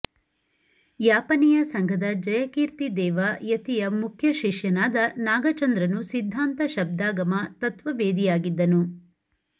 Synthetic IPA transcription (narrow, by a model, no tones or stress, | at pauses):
jaːpɐnijɐsɐŋɡʱɐd̪ɐd͡ʒɐjɐkiːɾt̪id̪ɛːʋajɐt̪ijɐmukʰjɐʃiʃjɐnaːd̪ɐnaːɡɐt͡ʃɐnd̪ɾɐnusid̪ʱːaːnt̪ɐʃɐb̚d̪aːɡɐmɐt̪ɐt̪ʋɐʋeːd̪ijaːɡid̪ːɐnu